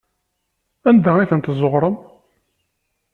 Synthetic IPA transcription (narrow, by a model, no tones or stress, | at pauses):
ænd̪æiθənt̪zˤoʁɾˤəm